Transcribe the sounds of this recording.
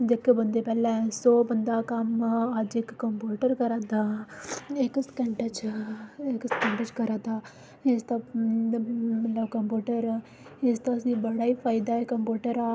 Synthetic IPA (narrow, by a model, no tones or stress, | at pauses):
d͡ʒɪkːbənd̪eːpɛːlɛ̃ːsoːbənd̪aːkəməd͡ʒɪkːəmpuːʈəɾkəɾad̪aː | ɪkskɛɳʈət͡ʃ | ɪkskɛɳʈət͡ʃkəɾãd̪aː | ɪst̪aː | mələbkəmpjuːʈəɾ | ɪst̪aːəsĩːbəɽaːiːpʰaːid̪aːɛkəmpuːʈəɾaː